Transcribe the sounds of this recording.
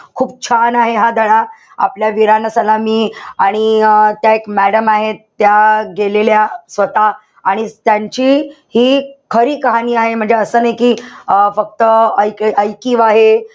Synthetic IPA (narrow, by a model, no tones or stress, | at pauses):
kʰuːb̚t͡ɕʰanaɦeɦad̪ʱəɽ̃a | a̰pljaʋiɾanəsəlamiːaɽ̃it̪jaekmæɽəmaɦet̪ːjaɡeleljasʋət̪aː | ɽ̃it̪jaɲt͡ɕi | hiːkʰəɾiːkəɦaniːaɦem̤əɳd͡zeəsəːnəɦjkiːfək̚t̪əəjkəjkiːʋaɦe